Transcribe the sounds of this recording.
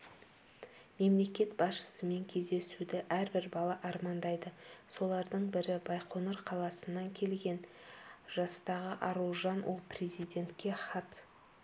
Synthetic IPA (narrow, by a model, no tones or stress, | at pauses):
me̞mle̞kʲe̞t̪bɑsʃə̥səme̞ŋkʲʰe̞zd̪e̞sud̪ɪʔæɾbɪɾbɑlˠɑʔɑɾmɑnd̪ɑjd̪əso̞lˠɑɾd̪əɴbɪɾɪbɑjqʰo̞nəɾqʰɑlˠɑsənːɑŋkʲʰe̞lɡʲe̞nʒ̥ɑst̪ɑʁəʔɑɾulˠʒɑnwʔo̞lˠprʲe̞zijd̪ʲe̞nt̪kʲe̞χɑt̪